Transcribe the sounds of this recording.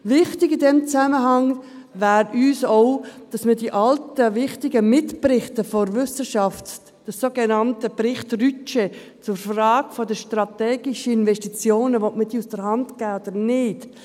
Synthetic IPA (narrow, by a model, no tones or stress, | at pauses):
vɪχtɪɡɪdɛmt͡sæməɦɑŋ | væːɾyːsoʊd̥ɑsmədiːʔɑltəvɪχtɪɡəmɪtprɪχtəfɔɾvʏsəʃɑft | d̥əssoːɡenɑntəbrɪχtryt͡ʃɛ | t͡sʊɾfrɑːɡ̥fɔdəʃtrɑtɛːɡ̥iʃəɪnvɛʃtit͡sjoːnəʋɔtməd̥iːusd̥əɾhɑntɡ̥ɛːod̥əɾnɪt